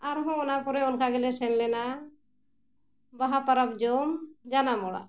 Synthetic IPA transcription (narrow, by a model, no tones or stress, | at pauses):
aɾɦɔ̃ɔnapɔɾɛɔnkʰaɡɛlɛsɛnlɛna | baɦapaɾap̚d͡ʒɔmd͡ʒanamɔɽa̰